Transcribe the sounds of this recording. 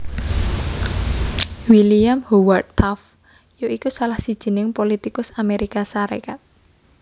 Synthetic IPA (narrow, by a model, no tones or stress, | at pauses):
wiliamhowarʰaf | joikusalahsid̥ʒ̥i̤nɪŋpolit̪ikʊsameɾikasaɾḛkat̪̚